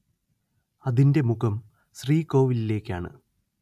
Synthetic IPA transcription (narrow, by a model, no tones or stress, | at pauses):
ɐðinde̞muɣɐm | ɕriːko̞ːʋilile̞ːkʲːaːɳɨ̰